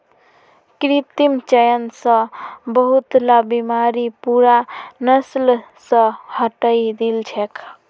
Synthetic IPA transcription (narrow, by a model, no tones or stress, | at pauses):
kɾit̪imt͡ʃəjənsə̃bəɦut̪labimaɾipuɾanəsl | sə̃həʈəjd̪ilt͡ʃʰekʰ